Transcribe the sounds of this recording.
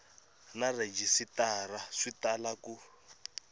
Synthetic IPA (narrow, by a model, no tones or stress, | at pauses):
nared͡ʒisitaraʂitalaku